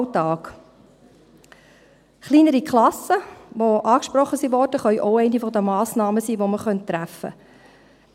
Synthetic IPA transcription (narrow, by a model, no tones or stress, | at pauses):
tɑːk | χliːnəɾikχlɑsəʋoʔɑːkʃpɾɔχːəsiʋɔrdəχœʏʔoʊɛɪnifɔdəmɑːsnɑːməsiːʋoməχœnttːɾæfə̰